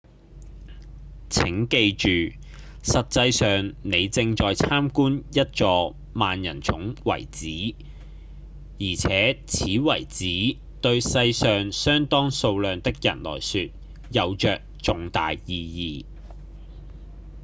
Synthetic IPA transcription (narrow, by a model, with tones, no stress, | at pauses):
t͡sʰɪ˨˥ŋke˧jt͡ʃyː˨ | sɐ˨t̚t͡sɐ˧jsœː˨ŋne˨˧jt͡sɪ˧ŋt͡ʃɔː˨jt͡sʰaː˥mkuː˥njɐ˥t̚t͡ʃɔː˧ | maː˨njɐ̰˨˩nt͡sʰʊ˨˥ŋwɐ̰˨˩jt͡siː˨˥ | jiː˨˩t͡sʰɛː˨˥t͡sʰiː˨˥wɐ˨˩jt͡siː˨˥ | t̪ɵ˧ɥsɐ˧jsœː˨ŋsœː˥ŋt̪ɔː˥ŋso˧wlœː˨˧ŋt̪ɪ˥k̚jɐ̰˨˩nlɔ̰ː˨˩jsyː˧t̚ | jɐ˨˧wt͡ʃœː˨k̚t͡sʊ˨ŋt̪a̰ː˨jjiː˧jiː˧